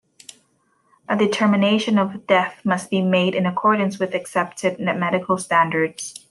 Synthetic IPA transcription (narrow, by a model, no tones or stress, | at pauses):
ʔɨdɨtʰɜ˞mɨneɪʃɨ̃nʌvdɛθmʌs̚b̥imeɪɾɨ̃nɨkʰɔɹdⁿn̩swɨðɨksɛp̚tʰɨd̚ⁿnɨmɛɾɨkʰl̩ˠstæ̃ndə˞dz̥